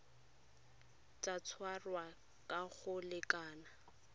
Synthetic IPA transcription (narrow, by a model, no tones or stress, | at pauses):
t͡ʃʼat͡sʰwarwa | kʼaɣʊlɪkʼaːna